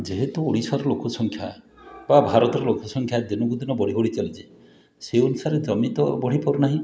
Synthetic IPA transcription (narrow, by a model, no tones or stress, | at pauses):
d͡ʒeɦet̪uoɽisaɾɔlokɔsɔŋkʰja | babʱaɾɔt̪ɔɾɔlokɔsɔŋkʰjad̪inɔɡud̪inɔbɔɽ̤iɦoɽit͡ʃalid͡ʒʰe | seɔnusaɾed͡ʒɔmit̪ɔbɔɽ̤ipɔɾunaɦĩ